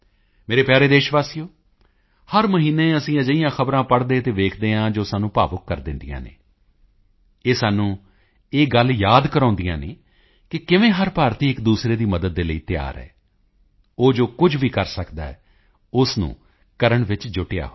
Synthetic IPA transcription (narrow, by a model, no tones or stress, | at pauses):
meːɾeːpjaːɾeːd̪eːʃʋaːsiːjoː | həɾməɦiːnẽːəsĩːəd͡ʒəijãːxʰəbɾãːpəɽd̪eːt̪eːʋeːkʰd̪eːãːd͡ʒoːsaːnũːpa̰ːʋəkːəɾd̪ɪnd̪ijã̰ːnḛː | eːsaːnũː | eːɡəljaːd̪kəɾãːnd̪ijã̰ːnḛː | kɪkɪʋẽːɦəɾpaːɾt̪iːɪkd̪uːsɾeːd̪iːməd̪əd̪̚ːeːləiːt̪ɪja̰ːɾɛ̰ː | oːd͡ʒoːkʊd͡ʒʋiːkəɾsəkd̪a̰ːɛː | ʊsnṵ̃ː | kəɾəɳʋɪt͡ʃd͡ʒʊʈeja̰ːɦo